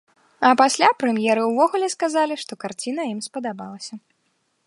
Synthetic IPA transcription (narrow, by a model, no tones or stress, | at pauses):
ɐpasʲlʲapɾɛmjɛɾɨwvɔɣulʲɛskazalʲiʂt̪ɔkart͡sʲinɐimspɐd̪abalˠɐsʲɐ